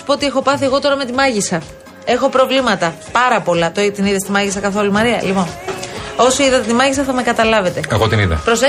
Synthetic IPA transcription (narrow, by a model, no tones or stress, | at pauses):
u̥poot̪ie̞xo̞pɐθie̞ɣo̞t̪o̞ɾɐme̞t̪imɐʝisɐ | e̞xo̞pɾo̞vlimɐt̪ɐ | pɐɾɐpo̞lɐt̪oit̪iniðest̪imɐʝisɐkɐθo̞lumɐɾiɐlipo̞n | o̞siiðɐt̪et̪imɐʝisɐθɐme̞kɐt̪ɐlɐve̞t̪e̞ɐɣot̪iniðɐ̰pɾo̞se